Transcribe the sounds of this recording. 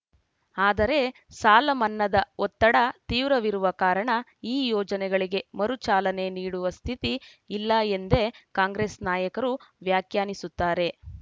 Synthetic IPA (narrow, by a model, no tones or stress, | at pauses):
aːd̪ɐɾe̞ | saːlɐmɐnːɐd̪ɐɔt̪ːɐɽɐt̪iːʋɾɐʋiɾuʋɐkaːɾɐɳɐiːjɔːd͡ʒɐnɛɡɐɭiɡe̞mɐɾut͡ʃaːlɐne̞niːɽuʋɐst̪ʰit̪iː | lːɐend̪e̞kaːŋɡɾe̞ːsnaːjɐkɐɾuʋjaːkjaːnisut̪ːaːɾe̞